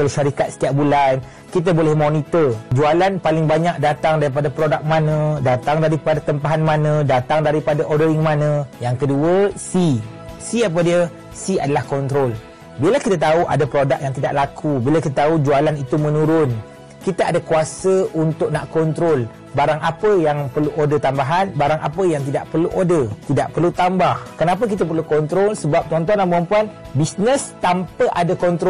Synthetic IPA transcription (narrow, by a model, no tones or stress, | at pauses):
alaʃaɾikat̪̚sə̥t̪iaʔ̚bulan | kit̪abolɛhmonit̪ərd͡ʒualanpalɪŋbaɲak̚dat̪aŋdaɾip̬adapɾodak̚mãnə̃dat̪aŋdaɾipadat̪əmpaɦanmãnə̃dat̪aŋdaɾipadaʔodəɾɪŋmãnə̃jaŋkəduəsi | siap̬adiə | siadalahkɔnt̪ɾol | bilakit̪at̪auʔa̰dapɾodak̚jaŋt̪idaʔlakʰubilakit̪at̪aud͡ʒualanit̪umə̃nũɾʊn | kit̪aʔadakuasəunt̪ʊkʔ̚naʔkɔnt̪ɾol | baɾaŋʔapəjaŋpərluʔodət̪ambaɦanbaɾaŋʔa̰pəjaŋt̪̬idaʔpərluʔodət̪idaʔpərlut̪ambahkənap̬ək̬it̪̬ap̬ərlukɔnt̪ɾolsəbap̚t͡ʃ̪ɔnt̪ɔnambampuan | bisnə̃st̪ampəʔadakɔnt̪ɾo